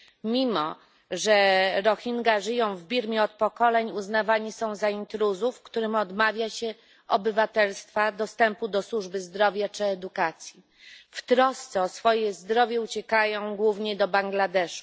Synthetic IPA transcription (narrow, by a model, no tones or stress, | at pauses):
mʲimɔ | ʐɛɾɔxʲiŋɡaʐɘjɔ̃w̃vbʲiɾmʲjɛɔt̪̚pɔkɔlɛɲuznavaɲisɔ̃w̃zaint̪ɾuzufkt̪uɾɘmɔd̪mavʲjaɕɛ | ɔbɘvat̪ɛlst̪fad̪ɔst̪ɛmpud̪ɔswuʐbɘzd̪ɾɔvʲjat͡ʂɘɛd̪ukat̪sʲji | ft̪ɾɔst̪sɛɔsfɔjɛzd̪ɾɔvʲjɛut͡ɕɛkajɔ̃w̃ɡwuvɲɛd̪ɔbaŋɡlad̪ɛʂu̥